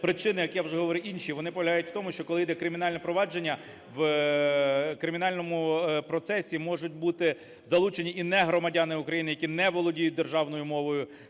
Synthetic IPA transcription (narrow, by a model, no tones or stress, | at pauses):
pɾɪt͡ʃɪnɪjɐkjawʒɛɦɔʋɔɾɪinʲʃiʋɔnɪpɔʋlʲɐɦɑjʊtʲw̥t̪ɔmʊʃt͡ʃɔkɔlˠɪjd̪ɛkɾɪmʲɪn̪ɑlʲnɛpɾɔʋɑd͡ʒenʲːɐ | ʋ | kɾɪmʲɪnɑlʲnɔmʊpɾɔt̪sɛsʲimɔʒʊt̚ʲbut̪ɪ | zɐlˠut͡ʃenʲiʔinɛɦɾɔmɐdʲanɪʊkɾɐjinɪjɐkʲinɛʋɔlˠɔdʲijʊt̚ʲd̪erʒɑwnɔjʊmɔʋɔjʊ